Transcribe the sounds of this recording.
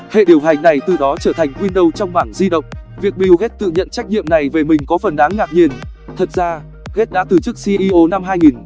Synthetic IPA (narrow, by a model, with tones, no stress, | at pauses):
hḛ˧˨ɗi˨˩əwɦa˨˩jŋ̟na˨˩jt̪ɨ˨˩ɗɔ˨˦t͡ɕəː˧˩t̪ʰa˨˩jŋ̟kwi˧ənɗə˧wt͡ɕɔ˧wŋ͡mmaː˧˩ŋzi˧ɗə̰˧˨wŋ͡mvi˨˩ək̚ɓi˧wɣe˦˥t̚t̪ɨ̰˧˨ɲə̰˧˨nt͡ɕa˦˥k̟̚ɲḭ˧˨əmna˨˩jve˨˩mï˨˩ŋ̟kɔ˨˦fə˨˩nɗaː˨˦ŋːaː˨˩k̚ɲi˧˩ənt̪ʰə˨˩t̚zaː˧ | ɣe˦˥t̚ɗa̰ː˧˥t̪ɨ˨˩t͡ɕɨ˦˥k̚si˧ʔi˧ʔo˧na˧mɦaː˧jŋi˨˩n